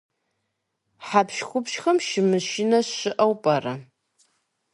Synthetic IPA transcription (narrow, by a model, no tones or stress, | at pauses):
ħapʃxʷʊpʃxɐmʃɪmɨʃɪnɐɕɪʔɐwpʼɐrɐ